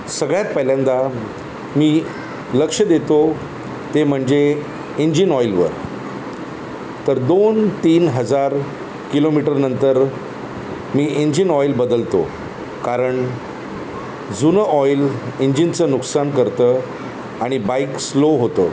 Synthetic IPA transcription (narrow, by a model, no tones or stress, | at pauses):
səɡɭjat̪̚pəɦljãnd̪a | miː | ləkʂəd̪et̪o | t̪em̤əɳd͡ze | iɲd͡ʑinɔjlʋə̰ɾ | t̪əɾd̪ont̪iːnɦəd͡zaɾ | kilomiʈəɾnənt̪əɾ | miːiɲd͡ʑinɔjlbəd̪əlt̪o̰ | kaɾəɳ | d͡zunəɔjliɲd͡ʑint͡səːnuksankəɾt̪əː | aɽ̃ibaiksloɦot̪ə̰ː